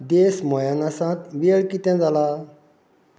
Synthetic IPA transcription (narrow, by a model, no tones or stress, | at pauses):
d̪eːsmɔjanasãːt̪ʋiɭkit̪ẽd͡zala